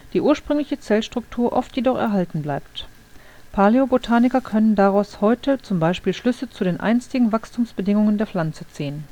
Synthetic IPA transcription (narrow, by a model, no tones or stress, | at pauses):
d̥iːʔuːɐʃpʁ̥ʏŋlɪçət͡sɛlʃtʁ̥ʊk̚tʰuːɐʔɔ̰ftjedɔχɛ̰ɐɦaltn̩blaɪp̚t | pʰaːleobotʰaːnɪkɐkʰœnəndaʁaʊshɔʏtət͡sʊmbaɪʃpiːlʃlʏsət͡sudeːnʔa̰ɪnstɪɡŋ̩vakstʰuːmsb̥ədɪŋʊŋəndeːɐflant͡sət͡siːən